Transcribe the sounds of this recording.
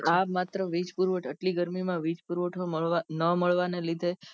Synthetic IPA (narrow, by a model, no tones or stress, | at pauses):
amat̪ɾəʋid͡ʒpuɾʋəʈʰəʈliɡəɾmimãʋid͡ʒpuɾʋəʈʰoəʋanəməɭʋanelid̪ʱe